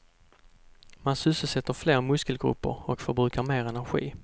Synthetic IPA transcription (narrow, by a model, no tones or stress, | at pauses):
mansʏsəsɛt̪ːəɾfleːɾmɵskəlɡɾɵ̰pːə̰ɾɔkfœɾbɾʉːkaɾmeːɾɛnæɾɧḭː